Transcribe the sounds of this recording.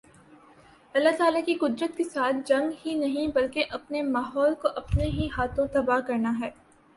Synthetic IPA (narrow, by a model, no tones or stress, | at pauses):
ɐlːaɦt̪aːlakikʊd̪ɾət̪kesaːt̪̚ʰd͡ʒɐ̃ŋɡɦinɐɦĩbɐlkeʔɐpnemaːɦɔːlkoʔɐpneɦiɦaːt̪ʰõt̪ɐbakɐɾnaɦɛː